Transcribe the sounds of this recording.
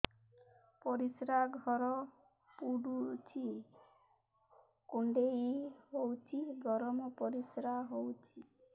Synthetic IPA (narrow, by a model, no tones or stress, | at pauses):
pɔɾisɾaɡʱɔɾɔ | puɽut͡ʃʰi | kuɳɖeiɦowt͡ʃʰiɡʱɔɾɔmɔpɔɾisɾaɦowt͡ʃʰi